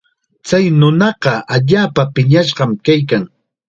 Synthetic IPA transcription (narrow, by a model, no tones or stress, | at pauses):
t͡sajnʊnɑɢɑʔaʎaːpapɪɲaʃɢɑmkajk̬aŋ